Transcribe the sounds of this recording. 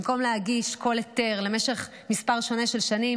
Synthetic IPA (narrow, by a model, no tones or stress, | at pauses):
mko̞mlehaɡiʃko̞lete̞ʁle̞meʃe̞χ | mispaʁʃo̞ne̞ʃe̞lʃanim